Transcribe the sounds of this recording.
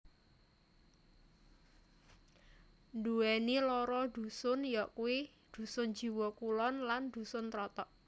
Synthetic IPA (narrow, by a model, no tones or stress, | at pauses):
nduɛnilɔɾɔd̪̥ṳsʊnjɔʔkuwi | d̪̥ṳsʊn̥d͡ʒ̥i̤wɔkulɔnland̪̥ṳsʊnt̪ɾɔt̪ɔʔ